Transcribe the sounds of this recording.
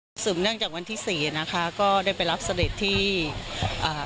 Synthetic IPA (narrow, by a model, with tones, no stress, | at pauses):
sɯː˨˩˦mnɯ˥˩əŋt͡ɕaː˨˩k̚wa˧nt̪ʰiː˥˩siː˨˩˧na˦˥kʰa˦˥kɔː˥˩daː˥˩jpa˧jɾa˦˥p̚sa˧de˨˩t̪ʰːiː˥˩ | ʔaː˨˩